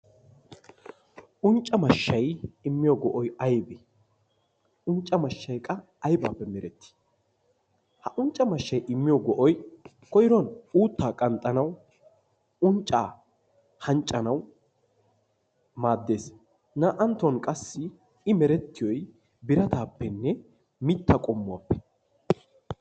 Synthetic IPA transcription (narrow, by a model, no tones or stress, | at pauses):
ʔʊnt͡ʃʼːɐmɐʃːɐjɪmːɪjɔɡɔʔɔjɐjbɪ | ʊnt͡ʃʼːɐmɐʃːɐjkʼɐː | jba̰ːpːɛmɛɾɛt̪ʰːi̥ | hɐʔʊnt͡ʃʼːɐmɐʃːɐjʔɪmːɪjɔɡɔʔɔj | kɔjɪɾɔnuːt̪ːaːkʼɐnt̪ʼːɐnɐw | ʊnt͡ʃʼːaː | hɐnt͡ʃʼːɐnɐw | maːd̪ːe̞ːs | naʔɐnt̪ːɔnkʼɐsːɪ | ɪmɛɾɛt̪ːɪjɔj | bɪɾɐt̪aːpːɛnːɛ | mɪt̪ːɐkʼɔmːʊwa̰ːpːɛ̥